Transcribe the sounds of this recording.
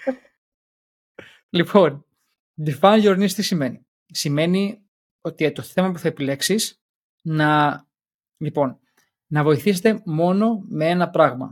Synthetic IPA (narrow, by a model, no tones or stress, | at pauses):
lipʰo̞n | difɐnʝoɾnist̪isime̞ni | sime̞ni | o̞t̪iet̪o̞θe̞mɐpuθɐepile̞ksis | nɐ | lipo̞n | nɐvo̞iθiset̪e̞mo̞no̞mee̞nɐpɾɐɣmɐ̰